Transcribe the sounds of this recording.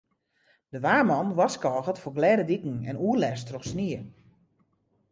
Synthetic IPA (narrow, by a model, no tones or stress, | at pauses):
d̥əʋaːmɔnʋɔskɔːɣətfoɡlɛːdədikŋ̩ɛ̰nuərlɛstrɔxsniə